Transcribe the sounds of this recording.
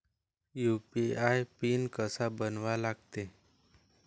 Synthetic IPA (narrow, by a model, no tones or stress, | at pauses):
jupiajpiːnkəsabənʋalaɡt̪e